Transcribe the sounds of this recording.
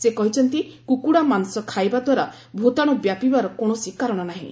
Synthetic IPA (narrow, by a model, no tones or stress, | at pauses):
sekɔɦit͡ʃʰɔnt̪ikukuɽamansɔkʰajbad̪waɾa | bʱot̪aɽ̃ubjapibaɾɔkoɽ̃ɔsikaɾɔɽ̃ɔnaɦḭ̃